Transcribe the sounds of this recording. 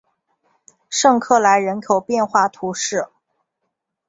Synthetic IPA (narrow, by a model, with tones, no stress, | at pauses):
ʂɤ˥˧ŋkʰɤ˥˩la˧˥ɪɻə˧˥nkʰo˨˩ʊpjɛ˥˧nxwa˥˩t̪ʰu˧˥ʂɻ̩˥˩